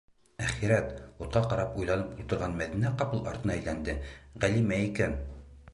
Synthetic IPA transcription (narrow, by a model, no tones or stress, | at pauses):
æχiɾæt̪ut̪̚qɑqɑɾɑpujlˠɑnɤpulˠt̪ɤ̆ɾʁɑnmæðinæqɑpɤlˠɑ̰ɾt̪ɤ̆nɑæjlænd̪ɘʁælimæikæn